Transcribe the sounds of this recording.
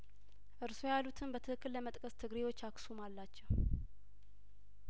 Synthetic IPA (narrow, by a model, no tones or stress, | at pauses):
ʔɨɾsojalut̪ʰɨnbət̪ʰɨhɨkːɨlːəmət̪ʼkʼəst̪ʰɨɡɾewo̞t͡ʃːaksumalːat͡ʃːɛw